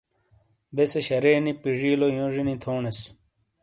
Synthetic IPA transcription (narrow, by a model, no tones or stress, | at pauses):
beseɕɐɾeːnipiʐiːlojõʐinit̪ʰoːnes